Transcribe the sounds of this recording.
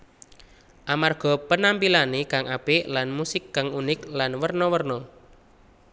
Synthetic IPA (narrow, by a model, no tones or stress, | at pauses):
ʔamarɡ̥ɔ̤pənampilanekaŋʔab̥eʔlanmusɪkːaŋunɪklanwərnɔwərnɔ